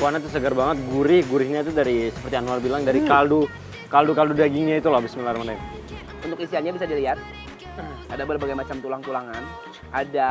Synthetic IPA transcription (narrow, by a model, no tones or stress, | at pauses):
kuanat̪̬ːus̬əɡərbaŋət̪̚ɡuɾɪhɡuɾɪhɲait̪̬udaɾisə̥pərt̪ianuarbilaŋdaɾikaldu | kaldukaldudaɡɪŋɲait̪ulahbɪsmilarmandaj | unt̪ʊkisiɦanɲabisadiliat̪̚ | adabərbaɡajmat͡ʃamt̪ulaŋt̪ulaŋan | ʔada